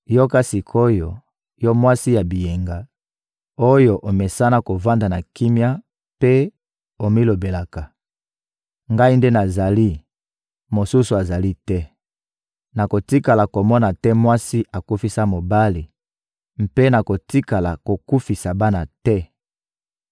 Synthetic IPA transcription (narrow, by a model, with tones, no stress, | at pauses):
jɔ˦ka˦si˨kʰo˦jo˨ | jɔ˦mwa˦si˦ja˨bi˨je˨ŋɡa˨ | o˦jo˨ʔo˨mɛ˨sa˦na˦ko˨va˦nda˨na˨ki˦mja˦ | pe˦ | o˨mi˦lo˨be˨la˨ka˨ | ŋɡa˦i˦nde˦na˨za˨li˦ | mo˨su˦su˨a˨za˨li˦tɛ˦ | na˨ko˨ti˦ka˨la˨ko˨mɔ˦na˨tɛ˦mwa˦si˦ʔa˨ku˦fi˦sa˦mo˨ba˦li˨ | m̩˦pe˦na˨ko˨ti˦ka˨la̰˨ko˨ku˦fi˨sa˨ba˦na˨tɛ˦